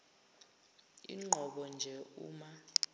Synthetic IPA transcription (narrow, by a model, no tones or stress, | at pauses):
ḭŋ͡ǃʱɔɓɔnd͡ʒʱɛṵːma